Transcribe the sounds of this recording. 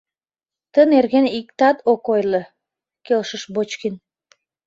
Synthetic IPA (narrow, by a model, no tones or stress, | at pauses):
t̪ənerɣenik̚t̪ɑt̪okojlə̆ | kelʃəʃbot͡ɕkin